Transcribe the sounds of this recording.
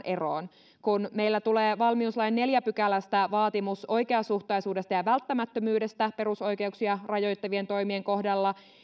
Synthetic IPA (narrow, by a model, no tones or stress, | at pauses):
ʔeroːn | kunme̞ilːæt̪uleːʋɑlmiuslɑjnːe̞ljæpykælæst̪æʋɑːt̪imuso̞jkeɑsuht̪ɑjsuːde̞st̪ɑjɑʋælt̪ːæmæt̪ːømyːde̞st̪æpe̞ɾuso̞jke̞uksiɑrɑjo̞jt̪ːɑʋie̞nt̪o̞jmie̞ŋko̞hdɑlːɑ